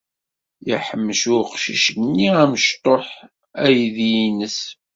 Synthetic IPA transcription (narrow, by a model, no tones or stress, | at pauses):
jiħəmːəʃʊɾqʃḭʃnːiæməʃt̪ˤoħ | æjðjinəs